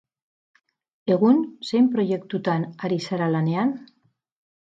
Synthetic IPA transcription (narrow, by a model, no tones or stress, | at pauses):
e̞ɣ̞unsejmpɾo̞je̞kt̪ut̪anaɾisaɾalane̞an